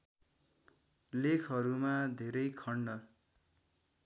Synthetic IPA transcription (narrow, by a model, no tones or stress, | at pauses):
lekʰʌɾumad̪ʱeɾʌjkʰʌɳɖʌ